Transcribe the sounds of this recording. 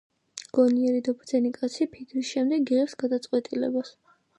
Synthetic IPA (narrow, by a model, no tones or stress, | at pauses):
ɡ̥ɔniɛɾid̪ɔbɾd̪zɛnikʼat̪sʰipʰikʰɾisʃɛmd̪ɛɡiʁɛpsɡad̪at̪sʼqʼwɛt̪ʼilɛ̰bas